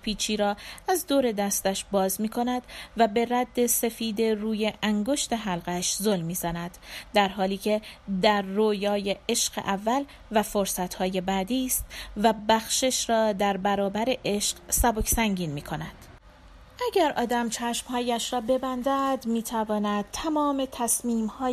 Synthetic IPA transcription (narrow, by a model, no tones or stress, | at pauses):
pʰiːt͡ʃʰiːɾɒːæzd̪oːɾe̞d̪æst̪æʃbɒːzmiːkʰo̞næd̪væbe̞ɾæd̪ːe̞se̞fiːd̪e̞ruːje̞ʔæŋɡo̞ʃt̪e̞ɦælɢæʃzolmːiːzænæd̪̥d̪æɾɦɒːliːcʰe̞d̪æɾːoːjɒːje̞eʃɢḛʔævːæl | væfo̞ɾsæt̪hɒːje̞bæːd̪iːst̪væbæxʃeʃɾɒːd̪æɾbæɾɒːbæɾe̞ʔe̞ʃqsæbo̞cʰsæŋɟiːnmiːkʰo̞næd̪̥ | ʔæɟæɾʔɒ̰ːd̪æmt͡ʃʰæʃmhɒːjæʃɾɒːbe̞bænd̪æd̪miːt̪ʰævɒːnæd̪̥̚t̪ʰæmɒːme̞t̪ʰæsmiːmhɒː